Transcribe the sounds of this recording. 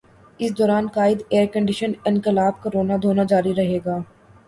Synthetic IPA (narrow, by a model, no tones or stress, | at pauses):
ɪsd̪ɔːɾaːnkaːɪd̪eːɾkə̃ɳɖɪʃənɪ̃nkɪlaːb̚koɾoːnad̪ʱoːnad͡ʒaːɾiɾɐɦeːɡaː